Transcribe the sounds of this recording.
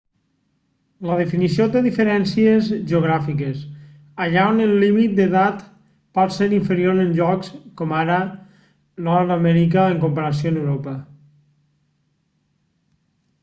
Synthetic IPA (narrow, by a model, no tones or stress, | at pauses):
ləð̞efinisiot̪eðifeɾɛnsiezʒeoɣ̞ɾafikes | aʎaonelːimit̪̚d̪eðat̪ | paɾseɾiɱfeɾioɾenʲʒɔkskɔmaɾə | nɔɾðamɛɾikaeŋkompaɾas̬ionewɾopa